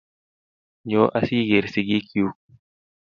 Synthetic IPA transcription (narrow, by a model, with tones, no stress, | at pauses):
ɲoː˦ʔɐ˨siː˦ɡe˨ɾsi˨ɡi˦ki˨u˦